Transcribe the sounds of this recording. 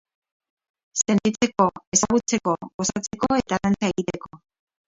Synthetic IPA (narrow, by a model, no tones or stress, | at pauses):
se̞nt̪it͡se̞ko̞e̞saɣut͡se̞ko̞ɣo̞sat͡se̞ko̞e̞t̪aðant͡sae̞ɣit̪e̞ko̞